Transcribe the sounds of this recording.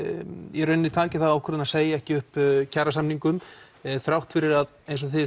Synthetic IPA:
jɛɾœɥnːɪt̪ʰaːcɪθaðawkʰvɛɾðʏnaseːjaɛhcɪʏhpcʰaːɾasamniŋkʏm | θɾawht̪fɪɾɪɾað | ejns̬ɔθɪ

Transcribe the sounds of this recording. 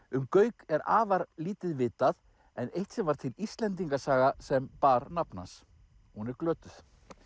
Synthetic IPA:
ʏmkœːɥkɛɾa̰ːvaɾliːt̪ɪðvɪːt̪að | ɛnejht̪sɛmvaɾ̥t̪ʰɪlist̪lɛnt̪̬iŋkasaːɣasɛmpaːɾnapna̰s | hunɛɾklœːt̪ʏθ

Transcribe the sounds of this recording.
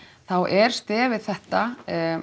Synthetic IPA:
θawʔɛɾ̥st̪ɛːvɪðθɛht̪a

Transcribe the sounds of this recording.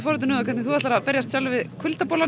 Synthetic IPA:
fɔɾʏt̪ʏnʏakʰɛɾt̪nɪθuat̪aɾapɛɾjast̪salvɪðkʰʏlt̪apoːla

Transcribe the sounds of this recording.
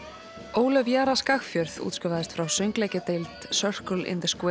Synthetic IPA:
oːwlœvjaːɾaskaxfjœɾðṵːt̪skʏvaðɪst̪fɾawsʏŋklɛjcɪt̪ejlt̪sœr̥kʏlʔɪ̰nðɪ̥skɛ

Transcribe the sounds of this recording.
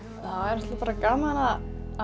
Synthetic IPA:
θaðɛɾɛht̪lapaːɾakaːmanaa

